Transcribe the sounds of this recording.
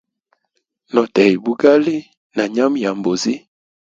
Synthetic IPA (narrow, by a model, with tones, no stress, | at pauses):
nɔ˨tɛ˨i˨bu˦ɡa˦li˦ | na˨ɲa˦m˦ja˨mbo˨zi˦